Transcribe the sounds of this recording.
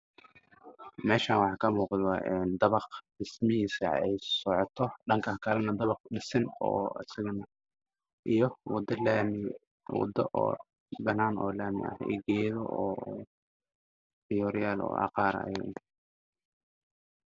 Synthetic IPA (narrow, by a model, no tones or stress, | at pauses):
mɛːʃaːnwɑħɑːkʰɐmuːqɑːʔɛnd̪ɐβɑq | ɪsmɪɦiːsɐ̰ɛjsɔʕɔt̪ʰɔɖɐŋkʰɐhkʰɐlɐnɐd̪ɐβɑqɖɪsɪnɔ̰ːɐ̰sɪɣɐnɐ | ʔijɔwɑd̪ɐlaːmɪ | wɑ̰d̪ɐʔɔ̰ː | bɐnaːnɔ̰ːlaːmɪ̰ɐ̰hɛ̰ɡɛːjðɔʔɔː | fɪjɔɾɪjaːlɔ̰ːʔɑ̰qɑːɾɐ̰j̰n